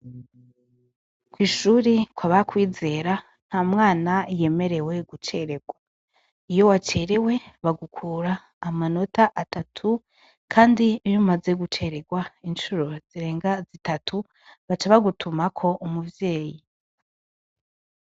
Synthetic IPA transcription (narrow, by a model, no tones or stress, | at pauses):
kwiːʃuːɾikwaβakwiːze̞ːɾa | n̥hamŋaːnaje̞me̞ɾe̞we̞ɡut͡ʃe̞ɾe̞ɡwa | ijo̞wat͡ʃeːɾewe̞βaɡukʰuːɾaː | mano̞taʔatatʰu | kʰaːndijumaze̞ɡut͡ʃe̞ɾe̞ɡwaint͡ʃuɾo̞z̥iɾe̞ːŋɡazitatʰu | βat͡ʃaβaɡutʰumakʰo̞ʔumuvje̞ːji